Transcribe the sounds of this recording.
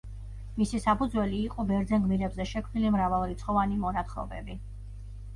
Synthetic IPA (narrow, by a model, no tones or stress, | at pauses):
misisapʰud̪zwɛliːqʼɔbɛɾd̪zɛnɡmiɾɛbzɛʃɛkʰmnilimɾavalˠɾit̪sʰχɔvanimɔɾat̪χɔ̰bɛ̰bi